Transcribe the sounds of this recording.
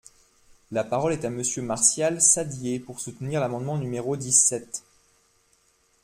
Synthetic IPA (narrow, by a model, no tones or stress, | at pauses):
lapaʁɔlɛt̪aməsjømaʁsjalsad̪jepuʁsut̪niʁlamɑ̃d̪mɑ̃nymeʁod̪isɛt̪